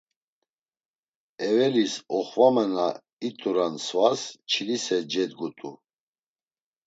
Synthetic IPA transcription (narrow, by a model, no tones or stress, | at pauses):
ɛvɛlisɔχvamɛna | it̪ʼuɾansvast͡ʃʰilisɛd͡ʒɛd̪ɡut̪ʼu